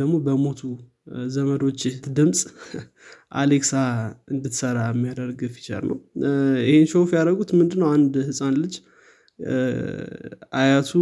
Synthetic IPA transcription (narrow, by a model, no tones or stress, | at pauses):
əɡmo̞bəmo̞t̪ʰu | zəməd̪o̞t͡ʃːt̪d̪ɨmsʼ | ʔa̰leksaɨnd̪ɨt̪səɾamːijad̪əɾɡɨfi̥t͡ʃa̰lnə̰wjɪhenʃowfjaɾəɡut̪mɨnd̪ɨnːəwand̪hɨsʼanlɨd͡ʒ | ʔajat̪ʰu